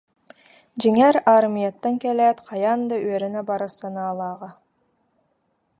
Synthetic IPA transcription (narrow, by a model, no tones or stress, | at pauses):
d͡ʒiŋæɾɑɾmijɑt̪ːɑŋkeleːt̪qʰɑjɑnd̪ɯɥøɾenæbɑɾɯsɑnɑːlˠɑːʁɑ